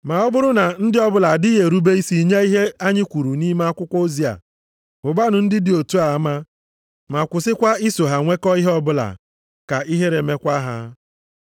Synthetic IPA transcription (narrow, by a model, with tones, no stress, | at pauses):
ma˨ɔ˦bʊ˦ɾʊ˦na˨n̩˦dɪ˦ɔ˦bʊ˦la˨di˦ɦe˨ɾu˦be˦i˦si˨ɲe˦i˦ɦe˦a˦ɲɪ˦kʷu˨ɾu˨ni˦me˦a˦kʷʊ˦kʷɔ˦o˦zi˦a̰˨ | ʊ˨ba˦nʊ˨n̩˦dɪ˦dɪ˨o˨tu˦a˨˦ma˦ | ma˨kʷʊ˨sɪ˦kʷa˦i˦so˨ɦa˨ŋʷe˦kɔ˦i˦ɦɔ˦bʊ˦la̰˨ | ka˨i˦ɦe˦ɾe˨me˦kʷa˦ɦa˦